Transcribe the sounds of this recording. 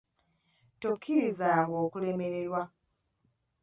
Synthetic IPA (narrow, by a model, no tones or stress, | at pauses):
tokʰːiɾizaɡoːkule̞me̞ɾe̞ɾwa